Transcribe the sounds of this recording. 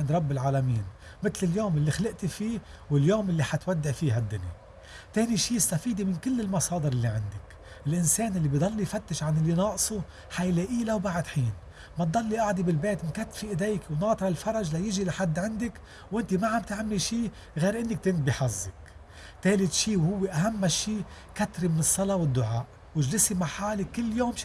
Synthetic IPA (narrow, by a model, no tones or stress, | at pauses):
ɪnd̪ɾˤɑbːɪlʕaːlamiːn | mɪt̪lɪljoːmɪlːixalɪʔt̪ifiːwɪljoːmʔɪlːiħat̪wad̪ːɪʕfiːɦad̪ːʊna | t̪eːniʃiːjɪst̪afiːd̪imɪnkɪlːɪlmɑsˤɑːd̪ɪɾʔɪlːiʕɪnd̪ɪk | ʔɪlʔɪnseːnʔɪlːibid̪ˤɑlːijfat̪ːɪʃʕanɪlːinɑːʔsˤu | ħajleʔiːlawbaʕɪd̪ħiːn | mat̪̚d̪ˤɑlːiʔaʕd̪ibɪlbeːt̪ɪnkat̪ːfiʔɪd̪eːjkwnɑːt̪ˤɾˤɑlfɑɾˤɑʒlajɪʒilaħad̪ːʕɪnd̪ɪk | wʔɪnt̪imaʕambt̪ʕamːiʃiː | ɣeːɾʔɪnːɪk̚t̪ɪnt̪̚biħazːɪk | t̪eːlɪt̪ʃiːwhʊwːeʔaɦamːaʃiː | kat̪ɾimɪnɨsˤːɑlɑwɪd̪ːʊʕaːʔ | wɪʒlɪsimaħaːlɪkɪlːjoːmʃ